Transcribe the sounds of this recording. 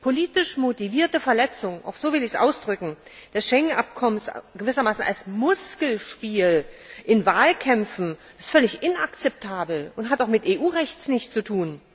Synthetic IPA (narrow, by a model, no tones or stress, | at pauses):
pʰoliːtɪʃmotiviːɐtəfɛɐlɛt͡sʊŋʔa̰ʊxz̥oːvɪlɪçsʔa̰ʊsd̥ʁʏkŋ̩d̥asʃɛŋənʔap̚kʰɔmənsɡ̥əvɪsɐmaːsn̩ʔa̰lsmʊskl̩ʃpiːlʔɪnvaːlkʰɛmfn̩̥ | ɪstfœlɪçɪnakt͡sɛp̚tʰaːbl̩ʊntɦataʊxmɪtʔeːʔuːʁɛçt͡snɪçtt͡sutʰuːn